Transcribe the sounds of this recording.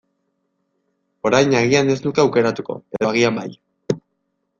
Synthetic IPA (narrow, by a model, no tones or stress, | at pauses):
o̞ɾajnaɣiane̞znukeawke̞ɾat̪uko̞̰eðoaɣiambaj